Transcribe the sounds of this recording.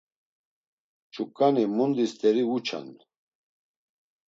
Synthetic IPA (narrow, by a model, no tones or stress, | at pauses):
t͡ʃʰukʼːanimund̪ist̪ɛɾiut͡ʃʰa̰n